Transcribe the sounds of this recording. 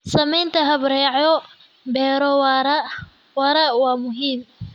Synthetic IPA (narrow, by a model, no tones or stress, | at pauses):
sɐmɛjnt̪ʰɐɦɐβɾɛːʕjɔ | bɛːɾɔwɾ | wɐɾɐwɑːmʊɦiːm